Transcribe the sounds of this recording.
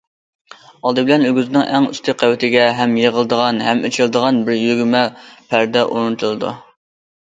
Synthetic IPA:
ɑlˠd̪ɨbɪlɛnøɡʲyznɪŋʔæŋy̰st̪ɪqʰæwɪt̪ʰɪɡʲɛɦɛmjeʁəlˠɨd̪əʁɑnɦɛmʔet͡ʃʰilˠɨd̪əʁɑnbɪɾjyɡʲmɛpʰæɾd̪ɛʔuɾnɨt̪ʰulˠɨd̪ṵ

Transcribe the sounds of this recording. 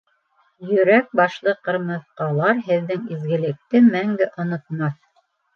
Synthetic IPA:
jɵ̆ɾæk̚bɑʃlˠɤqɤ̆ɾmɤ̆ðqɑlˠɑɾɦɘ̆ðːɘŋizɡɘ̆lɘ̆k̚t̪ɘmæŋɡ̪ɘʔŏnŏt̪̚mɑθ

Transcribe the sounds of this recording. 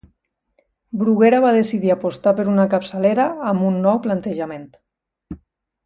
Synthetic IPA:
bɾuɣeɾaβaðesiðiapost̪apəɾunakapsəleɾaːmunːɔwplant̪əʒament̪

